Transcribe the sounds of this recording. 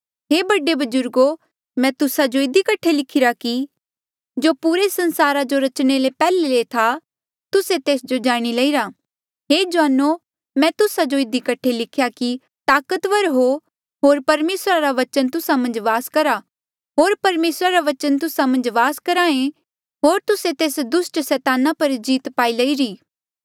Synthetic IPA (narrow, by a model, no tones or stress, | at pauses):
ɦeːbɐɖebɐd͡ʒʊɾɡo | mɛ̃t̪ʊsad͡ʒoɪd̪ikɐʈʰːelɪkʰɪɾaki | d͡ʒoːpuːɾesɐ̃nsaːɾad͡ʒoɾɐt͡ʃɽ̃elepɛːlelet̪ʰa | t̪ʊset̪eːsd͡ʒod͡ʒaːɽ̃ilɐiɾa | ɦeːd͡ʒʋaːno | mɛ̃t̪ʊsad͡ʒoɪd̪ikɐʈʰelɪkʰjaki | t̪aːkət̪ʋəɾɦo | ɦoːɾpɐɾmeːsɾaɾaʋɐt͡ʃənt̪ʊsamɐ̃nd͡ʒʋaːskɐɾa | ɦoːɾpɐɾmeːsɾaɾaʋɐt͡ʃənt̪ʊsamɐ̃nd͡ʒʋaːskɐɾaːẽ | ɦoːɾt̪ʊset̪eːsd̪ʊsʈsɛːt̪aːnapɐɾd͡ʒiːt̪paːilɐiɾiː